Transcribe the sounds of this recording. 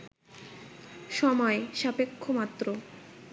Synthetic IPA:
ʃɔmɔeʃapekʰːomat̪ːɾo

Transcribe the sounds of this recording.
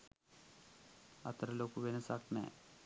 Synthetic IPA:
ɐ̰t̪ːɾɐloːkːuʋenɐsaːk̚nḛ

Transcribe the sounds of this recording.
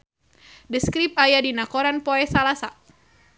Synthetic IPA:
dəskɾip̚ajadinakɔɾanpɔɛsalasa

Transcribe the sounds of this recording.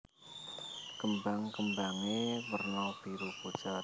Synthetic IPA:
kəmbaŋkəmbaŋemərnapiɾupud̥t͡ʃa

